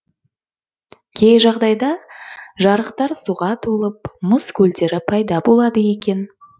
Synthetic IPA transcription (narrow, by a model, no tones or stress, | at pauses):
kʲʰejʒɑʁd̪ɑjd̪ɑʒɑɾəqt̪ɑɾsuʁɑt̪ʰolˠəp̚məskʰʲɵld̪e̞ɾɪpʰɑjd̪ɑbo̞lˠɑd̪əje̞kʲe̞n